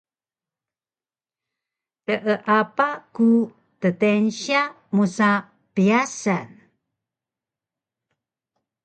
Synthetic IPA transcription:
təʔəʔapaku | tət̪enɕia | musa | piasan

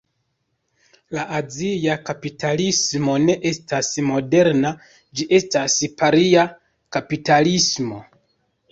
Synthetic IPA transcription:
laʔaziakapitʰalismo̞ne̞ʔe̞stasmo̞de̞ɾna | d͡ʒiʔe̞staspaɾia | kapitalismo̞

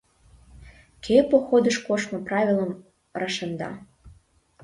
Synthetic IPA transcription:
kʰepoxod̪əʃkoʃmɤ̆prɑvʲilˠəm | rɑʃənd̪ɑ̰

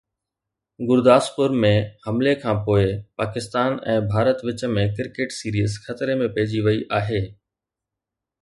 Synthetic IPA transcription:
ɡʊɾd̪aːspʊɾmẽhɐmlekʰãːpoːɪpaːkɪst̪aːnɛ̰̃ːbʱaːɾət̪ʋɪt͡ɕə̆mẽk̬ɪɾkeːʈsiːɾiːəzxɐt̪ɾemẽpɐɦɪd͡ʑiʋɐiʔaːɦeː

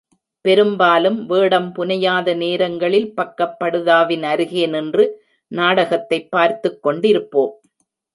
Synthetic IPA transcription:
pɛɾɯmbaːlɯmʋeːɽɐmpʊnɐjaːðɐneːɾɐŋɡɐɭɪlpɐkːɐpːɐɽɯðaːʋɪnɐɾɯɣeːnɪndrɯ | naːɽɐɣɐt̪ːɐɪpːaːɾt̪ɯkːɔɳɖɪɾɯpːoːm

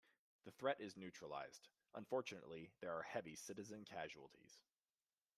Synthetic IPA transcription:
ðɨθɹɛɾʔɪznʉt͡ʃɹ̥əla̰ɪz̥d̥ | ʔə̰̃ɱfɔɹt͡ʃɨnə̰ʔˡliðə˞ːhɛvisɪɾɨzɨ̃nkʰæʒul̩ˠtʰḭz̥

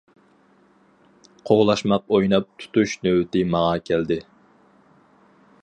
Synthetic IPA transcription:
qʰoʁlˠɑʃmɑq̚ojnɑp̚t̪ʰu̥t̪uʃnøwɪt̪ɪmɑʁɑkʲʰæld̪ɪ

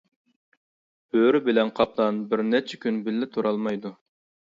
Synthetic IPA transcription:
b̥øɾybɪlɛnqʰɑp̚d̪ɑnbɪɾnɛt͡ʃʰɛkʲynbɪlːɪt̪ʰoɾɑlˠmɑjd̪u

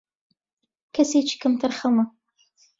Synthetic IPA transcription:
kʰɐsejt͡ʃʰkʰɨmtʰɐrχɐmɨ

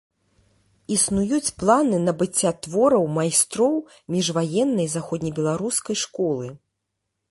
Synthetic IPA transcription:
isnujut͡sʲplˠanɨnɐbɨt͡sʲːat̪vɔɾɐwmajst̪ɾɔw | mʲiʐvajɛnːɐjzaxɔd̪ʲnʲɐjbʲɛlˠaɾuskɐjʂkɔlˠɨ

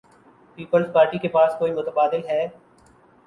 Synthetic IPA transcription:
piːpəlzpaːɾʈikepaːskoːimʊt̪əbaːd̪ɪlɦɛː

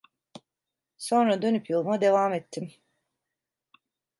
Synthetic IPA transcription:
so̞nɾad̪ø̞nypjolˠmad̪e̞vaːmɛt̪ʰːim

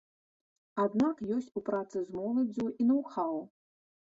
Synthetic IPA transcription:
ad̪nakjɔsʲt͡sʲupɾat̪sɨzmɔlˠɐd͡zʲuinɐwxaw

